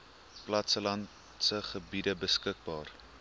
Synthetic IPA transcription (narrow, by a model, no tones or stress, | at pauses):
plɐtsəlɐn | səχəbidəbəskək̚bɑːr